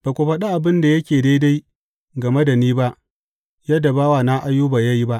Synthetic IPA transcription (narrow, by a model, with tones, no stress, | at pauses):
b̥a˨kʷo˨ɸɐ˦ɗa˦ʔa˨bɪ˦nda˨jɐ˦kʲeː˨da˦jda˦j | ɡɐ˨me˦da˨niː˦ba˦ʔ | jɐ˦da˨baː˦waː˨na˦ʔa˦jːuː˦baː˨ja˦ji˦ba˦ʔ